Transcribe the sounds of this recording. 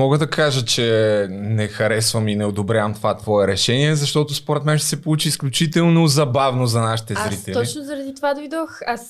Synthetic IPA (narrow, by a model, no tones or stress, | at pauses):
mɔɡəd̪ɐkaʒət͡ʃɛnɛxɐɾɛsvəminɛod̪obɾʲavmt̪ovat̪vɔɛɾɛʃɛniɛzɐʃt̪ɔt̪ʊspoɾɛt̪mɛnʃt̪ɛsɛpolˠut͡ʃiːsklʲʊt͡ʃit̪ɛlˠnnozɐbavnozɐnaʃi̥t̪ɛzɾit̪ɛlɔit͡ʃnʊzɐɾɐd̪it̪ovad̪ojd̪ɔxas